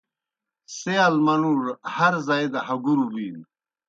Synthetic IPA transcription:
sealmɐnuɾhɐɾzaed̪ahɐɡuɾubiːn

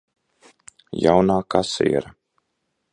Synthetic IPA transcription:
jawnaːkasḭːɾa

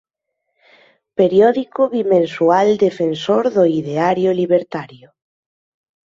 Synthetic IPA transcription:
peɾjɔðikoβimẽnsuald̪efensoɾðoiðeaɾjoliβeɾt̪aɾjo

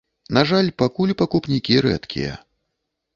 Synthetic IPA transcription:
naʐalʲpakulʲpakupnʲikʲiɾɛ̰t̪kʲʰḭjɐ̰

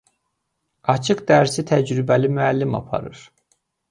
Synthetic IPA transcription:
ɑt͡ʃʰɯqd̪æɾsit̪ʰæd͡ʒɾybælimyælːimɑ̰pʰɑ̰ɾɯɾ̥

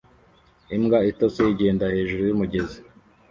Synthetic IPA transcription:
imɡaitot͡sejiɟe̞ːndahe̞ːʒuɾujumuɟe̞zi

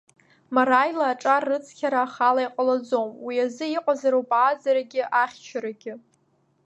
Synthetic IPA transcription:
maɾajlaːʈ͡ʂʼarːɨt͡sʰkʲʰaɾaːχalajqʼalad͡zomwiazɨiqʷʼazaɾowpʼaːzaɾaɡʲɪʔaχʲt͡ʃʰaɾaɡʲɪ

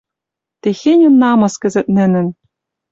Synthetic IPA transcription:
t̪exʲenʲŭnːɑmɤ̆skɘ̆zɘ̆t̪̚nɘ̆nɘ̆n

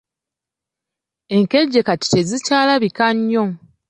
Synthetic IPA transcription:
e̞ŋke̞ɟːe̞kati̥te̞zicaːlaβikaɲːo

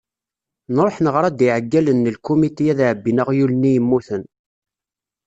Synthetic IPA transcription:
nɾˤoħnəʁɾˤɑd̪iʕəɡːælənːəlkːumit̪ijæðʕəbːinəʁjulnːijəmːuθən

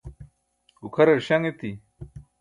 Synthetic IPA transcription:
ɡukʰɐɾɐɾɕaŋet̪i

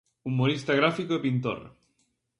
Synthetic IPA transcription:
umoɾist̪aɣ̞ɾafikoepint̪o̰r̰

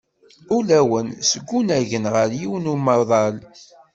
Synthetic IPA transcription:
ulæwənsəɡʷːunæʝənʁəɾjiwənumɑðˤɑl

